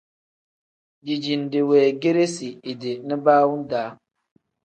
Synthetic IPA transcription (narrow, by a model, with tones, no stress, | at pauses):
d͡ʒi˨d͡ʒi˨nde˨wɛː˨ɡe˦ɾe˦si˨i˨de˨ni˦baː˦wu˦n˦daː˨˦